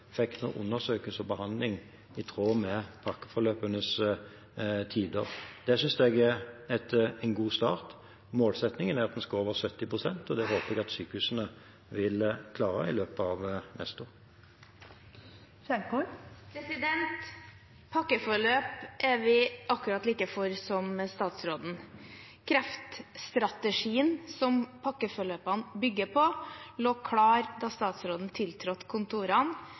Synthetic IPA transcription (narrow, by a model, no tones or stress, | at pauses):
fɛk̪ːno̰ːʔʊ̰nːəʁsøːkəlsɔbəhɑnd̪lɪŋ | ɪt̪ʰʁoːmɛpʰɑkːə̥fɔʁløːpənəs | t̪ʰiːd̪əʁd̪̥ɛsʏnsd̪ɛɡɛɛt̪ɛnɡuːst̪ɑ̰ːʁt̪ | moːlsɛt̪nɪŋənæʁɑt̪̚d̪ɛnskɑoːʋəʁsœt̪ːɪpʁʊsɛnt̪ɔd̪ɛhoːpəɛɡɑt̪syːkəhʉːsnə | ʋɪlkʰlɑːɾə̰ɪløːpəɑʋnʔɛ̰st̪oːʁ | ʃɛkupʰɾɛsɪd̪ɛnt̪ | pʰɑkːəfɔɭøːpʔɛʋɪʔɑkːʉɾɑt̪liːkəfɔɾsɔmst̪ɑːt̪sɾoːd̪n̩ | kʰɾɛft̪st̪ɾɑt̪əʂiːənsɔmpʰɑkːəfɔɭøːpɑnbʏɡːəpʰɔloːkʰɽɑːɾd̪ɑst̪ɑːt̪sɾoːd̪n̩t̪ʰɪlt̪ʰɾɔt̪ːkʰʊnt̪ʰuːɾɑn